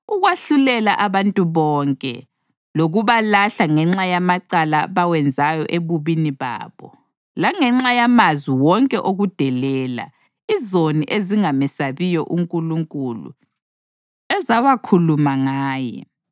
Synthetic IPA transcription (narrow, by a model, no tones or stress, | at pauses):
uɣwaɬulɛlaʔaβantʼuβɔːŋkʼɛ̰ | loɣuβalaɬaŋɛŋ͡ǁajamaǃalaβawɛnd͡zʱajɔʔeβuβiniβa̰ːβɔ | laŋɛŋ͡ǁajamazwiwɔŋkʼɛʔoɣud̥ʱɛlɛːla̰ | izoniʔeziŋamɛsaβijɔʔuŋkʼuluŋkʼulṵ | ɛzawakʰulumaŋaːjɛ̰